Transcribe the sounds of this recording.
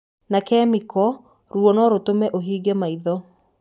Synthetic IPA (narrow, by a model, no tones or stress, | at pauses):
nakɛmikɔ | ɾuwɔnɔɾotomɛʔoɦiːɡɛmaiðɔ